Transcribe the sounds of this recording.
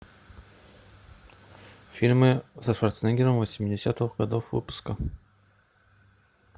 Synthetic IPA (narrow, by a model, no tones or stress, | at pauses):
fʲilʲmɨzəʂart̪sɛnʲɡʲɪɾəmvəsʲmʲɪdʲɪsʲat̪ɨxɡad̪ofvɨ̰pʊ̥skə